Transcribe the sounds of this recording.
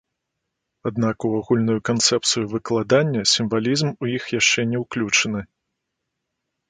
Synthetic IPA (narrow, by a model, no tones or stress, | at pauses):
ad̪nakuaɣulʲnujukant̪sɛp̚t̪sɨjuvɨklˠad̪anʲːɐsʲimvalʲizmujixjaʂt͡ʂɛnʲɛwklʲut͡ʂɐnɨ